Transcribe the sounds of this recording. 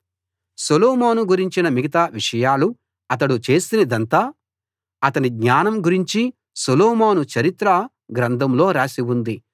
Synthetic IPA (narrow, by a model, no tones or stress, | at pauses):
suloːmoːnuɡuɾiɲt͡ʃinɐmiɡɐt̪aːʋiʂɐjaːlu | ɐt̪̬ɐɽut͡ʃe̞ːsinɐd̪ɐnt̪aː | ɐt̪ɐniɡɲaːnɐmɡuɾiɲt͡ʃi | suloːmoːnut͡ʃɐɾit̪ɾɐ | ɡɾɐnd̪ʱɐmlo̞ːɾaːsiwund̪i